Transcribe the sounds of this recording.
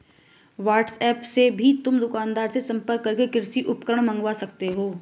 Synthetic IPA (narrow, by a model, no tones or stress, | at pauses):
ʋaːʈsɛːpsebʱit̪ʊmd̪ʊkaːnd̪aːɾsesɐ̃mpəɾkːɐɾkekɪɾsiʔʊpkəɾəɽ̃mɐ̃ŋɡʋasɐk̚t̪eɦoː